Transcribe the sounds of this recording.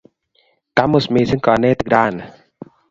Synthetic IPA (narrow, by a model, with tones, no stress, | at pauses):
ka˧˦mo˨˩smiː˧˨sɯ˦ŋkɔː˨˧nːɛː˥˩t̪ɯ˨k̚daː˧˥˩n